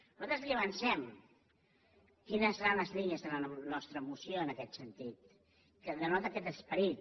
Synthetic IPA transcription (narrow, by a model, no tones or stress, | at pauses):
nuzat̪ɾəzliəβənsɛm | kinəsːəɾanləzliniəzðələnɔst̪ɾəːmusijoənəkɛt̪sənt̪it̪̚ | kəðənɔt̪əkɛt̪əspəɾit̪̚